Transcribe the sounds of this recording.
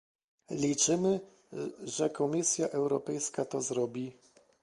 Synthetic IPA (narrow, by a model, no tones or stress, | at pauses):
lʲit͡ʂɘmɘ | ʐɛkɔmʲisʲjaʔɛwɾɔpɛjskat̪ɔzɾɔbʲi